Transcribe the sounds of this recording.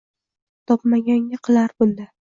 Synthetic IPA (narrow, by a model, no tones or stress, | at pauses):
t̪ʰɒpmaɡʲaŋːaqʰɨlˠaɾbʊnd̪a